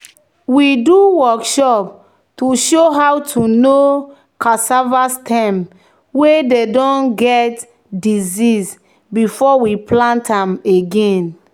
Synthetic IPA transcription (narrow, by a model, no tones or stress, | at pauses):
widuwɔkʃɔp̚ | tuʃoɦawtʰuno | kasavastʰɛ̃m | wededɔ̃nɡɛt | dizis | bifɔwiplãntʰãmeɡẽn